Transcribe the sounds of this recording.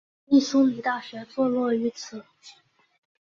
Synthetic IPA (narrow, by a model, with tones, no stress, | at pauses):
i˥˩ʂu˥mi˨˩˥t̪a˥˩ɕɥɛ˧˥t͡swɔ˥˧lwɔ˥˩y˧˥t͡sʰɹ̩˨˩˦